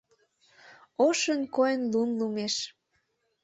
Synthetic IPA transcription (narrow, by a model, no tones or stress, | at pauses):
oʃənkojənlunlumeʃ